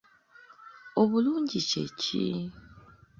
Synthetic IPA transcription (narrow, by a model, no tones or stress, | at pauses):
oβuluːɲɟicḛci